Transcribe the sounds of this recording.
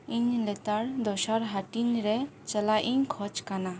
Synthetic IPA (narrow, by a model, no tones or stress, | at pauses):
iɲlɛt̪aɾd̪ɔʃaɾɦaʈiɲɾɛt͡ʃəlajʔiɲkʰɔt͡ʃkana